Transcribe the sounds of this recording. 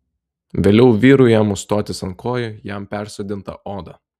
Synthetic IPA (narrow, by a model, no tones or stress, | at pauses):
ʋʲeːlʲɛʊʋʲiːɾʊjɛmʊst̪oːt̪ʲɪsɐŋkoːjʊjæmpʲæˑɾʲsʲod̪ʲɪnt̪ɐ̰ʔoːd̪ɐ